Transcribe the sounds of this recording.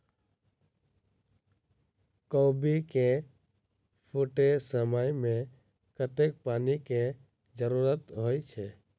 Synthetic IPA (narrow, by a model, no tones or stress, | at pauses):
kobike | pʰʊʈesəməjmẽ | kət̪ek̚paːnike | d͡ʒəɾuɾət̪ɦoːit͡ʃʰeː